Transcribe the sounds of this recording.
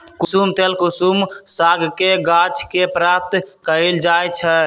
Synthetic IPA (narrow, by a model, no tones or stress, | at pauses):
kusumt̪elkusumsaɡʱkeɡat͡ʃʰkepɾap̚t̪kəild͡ʒajt͡ʃʰə